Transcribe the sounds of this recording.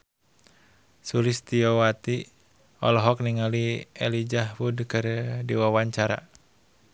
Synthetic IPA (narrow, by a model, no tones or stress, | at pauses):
sulist̪iɔwat̪i | ɔlɔɦɔkniŋaliɛlid͡ʒaɦwudkɨrdiwawaɲt͡ʃaɾa̰